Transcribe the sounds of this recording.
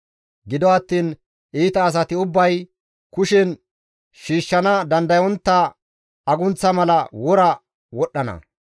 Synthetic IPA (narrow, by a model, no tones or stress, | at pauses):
ɡɪd̪ɔɐt̪ːiːn | iːt̪ɐːs̬ɐt̪ɪʊbːɐj | kʊʃɛn | ʃiːʃːɐnɐd̪ɐnd̪ɐjɔnt̪ːɐ | ɐɡʊnt͡sːɐmɐlɐwɔɾɐ | wɔɗːɐnɐ̰